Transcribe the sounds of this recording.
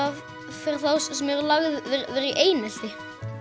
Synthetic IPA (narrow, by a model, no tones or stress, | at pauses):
av | fɪɾ̥θawssɛmɛɾʏlaɣðvɪɾvɛɾiʔeːjnɪl̥t̪ɪ